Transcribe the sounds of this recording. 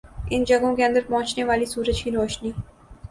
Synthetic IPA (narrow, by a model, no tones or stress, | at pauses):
ɪnd͡ʒɐɡõkeɐ̃nd̪əɾpɐ̃ɦʊ̃t͡ʃneʋaːlisuːɾəd͡ʒkiɾɔːʃniː